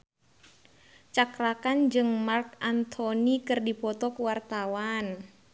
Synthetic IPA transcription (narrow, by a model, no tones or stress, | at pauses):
t͡ʃakɾakand͡ʒɨŋmarkant̪ʰɔnikɨrdipɔt̪ɔkuwart̪awan